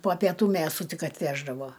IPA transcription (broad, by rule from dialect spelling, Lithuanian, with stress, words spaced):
poː pʲiɛˈtuː ˈmʲeːsʊ ˈtʲɪk ɐtʲˈʋʲæːʒdɐʋoː